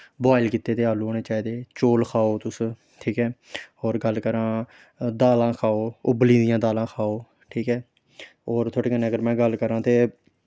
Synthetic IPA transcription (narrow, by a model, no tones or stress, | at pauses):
baːɪlkiːt̪ːeːt̪eːɦaːluoːneːt͡ʃaːiːd̪eːt͡ʃoːlkʰaːoːt̪ʊs | ʈʰiːkɦɛːoːɾɡəlkəɾãː | d̪aːlãːkʰaːoːʊblĩːd̪ɪjãːd̪aːlãːkʰaːoː | ʈʰiːkɦɛː | oːɾt̪ʰoːʈeːkənːeːəɡəɾmɛ̃ːɡəlkəɾãːt̪eː